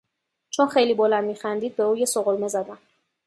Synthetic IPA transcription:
t͡ʃʰonxejliːbolænd̪miːxænd̪iːd̪̚be̞uːje̞soɣolme̞zæd̪æm

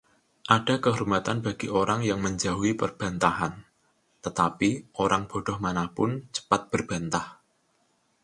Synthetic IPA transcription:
ʔaɖ̥a̤kəɦurmat̪anb̥a̤ɡ̥iʔoɾaŋjaŋməɲd͡ʒaɦuipərb̥ä̤nt̪aɦan | t̪ət̪apiʔoɾaŋb̥ɔ̤ɖ̥ɔ̤hmanahpʊnt͡ʃə̥pat̪̚b̥ərb̥a̤nt̪ah

